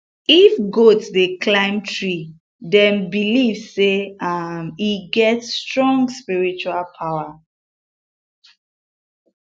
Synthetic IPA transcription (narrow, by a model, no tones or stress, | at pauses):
ifɡotdeklãɪ̃mtɹi | dɛ̃nbilivseamiɡɛtstɹɔ̃ŋɡspiɹit͡ʃualpʰaʊa